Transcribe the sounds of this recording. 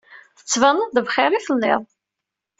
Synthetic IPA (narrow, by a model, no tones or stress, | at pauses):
θə̥t͡sːvənːəðəvχɪɾiθəlːɪ̰ðˤ